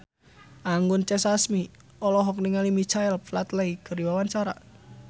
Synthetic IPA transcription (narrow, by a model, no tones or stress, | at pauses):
ʔaŋɡʊnt͡ʃɛsasmi | ɔlɔɦɔk̚niŋalimit͡ʃaɛlplat̪leikəɾiwawant͡ʃaɾa̰